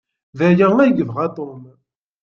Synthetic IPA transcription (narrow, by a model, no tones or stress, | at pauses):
ðæjæŋæɡəðʁɑt̪ˤom